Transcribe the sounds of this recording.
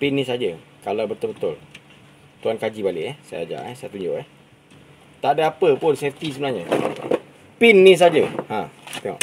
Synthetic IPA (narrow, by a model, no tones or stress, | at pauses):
pɪnːĩsad͡ʒə | kalawbət̪ʊlbət̪ʊl | t̪uankad͡ʒibalɪʔɛhsa̰ja̰d͡ʒa̰ʔɛsajat̪uɲd͡ʒʊʔɛ | t̪aʔdəapəpʊnsɛft̪isəbənaɲə | pinːĩs̬ad͡ʒəhãt̪ɛŋɔ̰ʔ